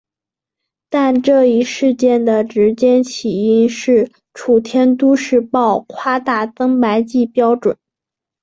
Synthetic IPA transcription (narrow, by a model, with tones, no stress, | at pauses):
t̪a˥˧nʈ͡ʂɤ˥˧i˥˧ʂɻ̩˥˧t͡ɕjɛ˥˩nd̪ə˩ʈ͡ʂɻ̩˧˥t͡ɕjɛ˥nt͡ɕʰi˨˩i˥˧nʂɻ̩˥˩ | ʈ͡ʂʰu˨˩t̪ʰjɛ˥nt̪u˥ʂɻ̩˥˧pɑ˥˩ʊkʰwa˥t̪a˥˩t̪ɤ˥ŋpa˧˥ɪt͡ɕi˥˩pjɑ˥ʊʈ͡ʂwə̰˨˩˦n